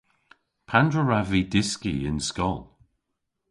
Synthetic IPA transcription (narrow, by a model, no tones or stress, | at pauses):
pʰandɹəɹavidɪskḭɪ̰nskɔlˠ